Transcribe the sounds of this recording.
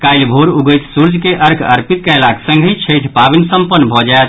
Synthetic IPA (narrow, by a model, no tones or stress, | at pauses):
kajlbʱoɾuɡəjt̪suɾd͡ʒʱkeʔəɾkʰə̰ɾpit̪̚kəɪlaksə̃ŋɡʱət͡ʃʰəjt̪ʰpabinsəmpənːbʱɔd͡ʒaet̪